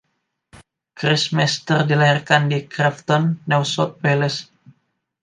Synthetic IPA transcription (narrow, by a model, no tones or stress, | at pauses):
kɾɪsmɛst̪ərdilaɦirkandikɾɛft̪ɔnːɛwsɔt̪̚welɛs